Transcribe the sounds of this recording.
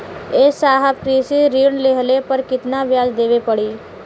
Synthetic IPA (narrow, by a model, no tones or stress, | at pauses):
eːsaːɦəpkɾiːsiɾiːɳleɦəlepəɾkɪt̪naʋjaːd͡ʒd̪eːʋepɐɽiː